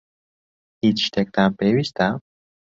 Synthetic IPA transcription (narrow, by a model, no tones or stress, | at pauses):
it͡ʃt̪ek̚t̪ampewist̪a